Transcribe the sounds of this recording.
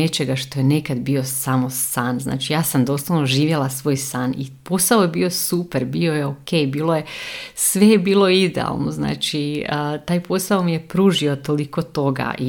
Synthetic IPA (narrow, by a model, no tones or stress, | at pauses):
e̞t͡ʃe̞ɡaʃt̪ojene̞kad̪bio̞samosanzna̰ːt͡ʃijaːsamd̪o̞slˠaʋnoʒiːʋjelˠasʋoːjsaːnḭpo̞saojebio̞supeɾbio̞jeokejbiːlˠo̞jesʋe̞jebiːlˠo̞id̪ḛa̰lˠno̞̰zna̰ːt͡ʃiət̪aːjpo̞saomije̞pɾuːʒio̞t̪o̞liko̞t̪o̞ɡa̰ʔi